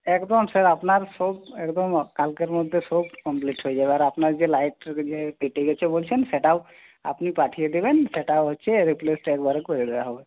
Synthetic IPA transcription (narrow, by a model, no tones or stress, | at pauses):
ekd̪ɔmsəɾapnaɾsɔbekd̪ɔmkalkeɾmɔd̪ʱːesɔbkɔmpliʈɦojd͡ʒabaɾapnaɾd͡ʒelajʈd͡ʒepeʈiɡɛt͡ʃʰɛbolt͡ʃʰensɛʈa | a̰pnipaʈʰijed̪ebenseʈaɦɔtːt͡ʃʰɛɾiplesʈekbaɾəkkɔɾid̪ɛaɦɔbe